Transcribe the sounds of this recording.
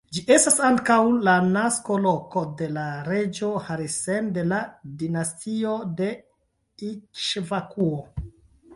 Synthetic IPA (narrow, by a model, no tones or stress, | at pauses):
d͡ʒiʔe̞stasaŋkawlanasko̞lo̞ko̞de̞laɾe̞d͡ʒo̞haɾisende̞ladinastʰio̞de̞ | it͡ʃvakuo